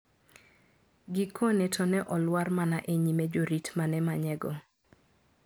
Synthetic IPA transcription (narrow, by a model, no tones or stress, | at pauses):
ɡɪkʰonetʰɔnɛʔɔlwarmanaʔeɲimɛd͡ʒoɾitmanɛmaɲɛɡɔ